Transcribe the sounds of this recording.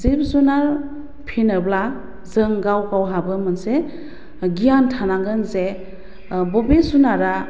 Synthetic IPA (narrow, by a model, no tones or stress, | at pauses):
zip̚zunaɾ | pʰinəbla | zəŋɡawkawɦabɯmɯnse | ɡijantʰanaɡɯnze | bɔbesunaɾa